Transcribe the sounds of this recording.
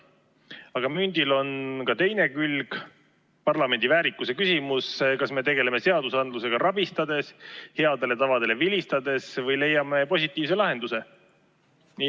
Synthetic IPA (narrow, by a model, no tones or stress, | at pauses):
ɑɡ̥ɑmynd̪̥ilo̞nkɑt̪e̞jne̞kylɡ̥ | pɑrlɑme̞nʲd̪̥ivæːɾikːˑuse̞kysʲimuskɑsme̞t̪e̞ɡe̞leme̞se̞ɑd̪usɑnd̪luse̞ɡ̥ɑɾɑbist̪ɑd̪e̞she̞ɑd̪̥e̞le̞t̪ɑvɑd̪e̞le̞vilʲist̪ɑd̪e̞svɤjle̞jːɑme̞po̞sʲit̪ːˑiːvse̞lɑɦe̞nd̪̥use̞ | ni